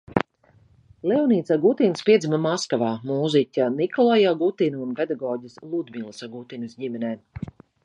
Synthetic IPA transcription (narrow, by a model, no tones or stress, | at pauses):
lɛwniːt̪saɡut̪inspʲiɛzʲimamaskavaːmuːzicʲanikɔlˠajaɡut̪inuunped̪aɡɔːɟislˠud̪mʲilˠsaɡut̪inɨsɟimʲɛnɛː